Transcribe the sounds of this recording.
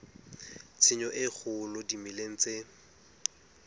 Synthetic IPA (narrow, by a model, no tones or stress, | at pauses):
t͡sʰɪɲɔʔɪk͡xʰʊlʊdimileŋ̩t͡se